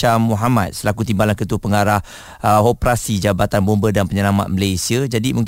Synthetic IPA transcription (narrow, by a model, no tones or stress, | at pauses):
amuɦamat̪̚səlakut̪imbalankət̪uəpəŋaɾah | opɾasid͡ʒabat̪anbombədanpəɲəlama̰t̪̚məlajsiad͡ʒadimuŋ